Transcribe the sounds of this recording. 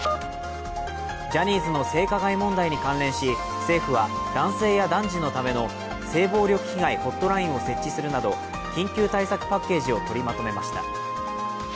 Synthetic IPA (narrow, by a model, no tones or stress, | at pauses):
d͡ʑaɲ̟ʲiːzɨno̞se̞ːkaɡaimõ̞nd̪aiɲ̟ikãnɾẽ̞ɰ̃ɕi | se̞ːɸɯ̟βa | d̪̥ãɰ̃se̞ːjad̪ãɲd͡ʑino̞t̪ame̞no̞ | se̞ːbo̞ːɾʲo̞kɯ̟̥çiɡaiho̞t̪ːo̞ɾaĩɰ̃o̞se̞t͡ɕːisɨɾɯ̟nad̪o̞ | kʲĩŋkʲɨːt̪aisakɯ̟̥pakːe̞ːʑio̞t̪o̞ɾʲimat̪o̞me̞maɕi̥t̪a̰